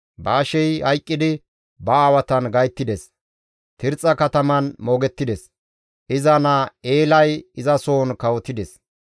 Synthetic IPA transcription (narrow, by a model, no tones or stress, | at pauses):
baːʃɛjhɐjkʼːɪd̪ɪ | bɐaːwɐt̪ɐnɡɐjt̪ːɪd̪ɛs | t̪ɪɾt͡sʼːɐkɐt̪ɐmɐnmoːɡɛt̪ːɪd̪ɛs | ʔɪzɐnɐeːlɐjɪzɐsoːnkɐwɔt̪ɪd̪ɛs